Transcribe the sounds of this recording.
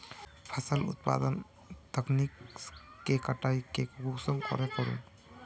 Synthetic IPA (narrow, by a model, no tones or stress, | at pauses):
pʰəsəlṵt̪̚pa̰d̪ən | t̪əkniksːekəʈaikekɡuksəŋkɔ̰ɾekɔɾṵm